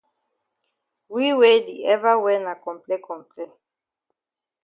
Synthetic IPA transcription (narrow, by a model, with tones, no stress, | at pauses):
wi˦we˦di˨ɛ˦va˦wɛ˦na˨kɔ̃˨mplɛ˦kɔ̃˨mplɛ˦